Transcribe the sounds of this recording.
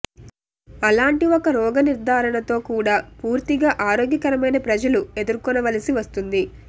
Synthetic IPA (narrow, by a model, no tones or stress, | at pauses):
ɐlaːɳʈiɔkɐɾɔːɡɐniɾd̪ʱaːɾɐɳɐt̪o̞ːkuːɽaːpuːɾt̪iɡaːʔaːɾoːɡjɐkɐɾɐmɐjnɐpɾɐd͡ʒɐlue̞d̪uɾkɔnɐʋɐlɐsiʋɐst̪und̪i